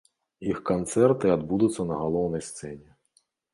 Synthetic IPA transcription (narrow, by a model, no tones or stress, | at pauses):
jixkɔnt̪sɛrt̪ɪɐd̪bud̪ʊt͡sʲːɐnɐɦɐlˠɔwnɔjst̪sɛnʲi